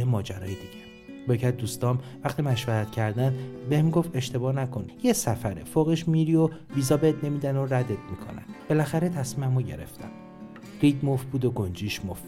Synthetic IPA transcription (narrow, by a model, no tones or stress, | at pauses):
emɒːd͡ʒæɾɒːjed̪iɟ̥e | becʰæt̪̚d̪uːst̪ɒːmvæxt̪imæʃvæɾæt̪cʰæɾd̪ænd̪behmiɡo̞fe̞ʃt̪e̞bɒːnækʰo̞njesæfæɾḛfoɣeʃmiɾioviːzɒːbeet̪ne̞miːd̪æno̞ɾæd̪et̪̚mikʰo̞̰næ̰nb̥e̞læxæɾet̪ʰæsmimæmoɟe̞̰ɾe̞̰ft̪æ̰m | ɾiːd̪mofbuːd̪oɡond͡ʒiːʃmof